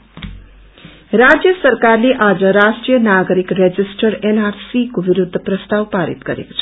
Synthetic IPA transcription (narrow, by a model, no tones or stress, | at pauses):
ɾad͡zjʌsʌɾkarleʔad͡zʌɾasʈɾijənaɡɾikɾed͡zisʈʌɾenaɾsikobiɾud̪ʱːəprʌst̪awpaɾḭt̪ɡʌɾḛko̥t͡sʰʌ